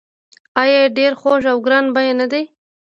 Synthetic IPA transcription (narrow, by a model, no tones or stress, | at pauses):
ɑjɑɖeɾxoʒawɡɾɑnbajenad̪ej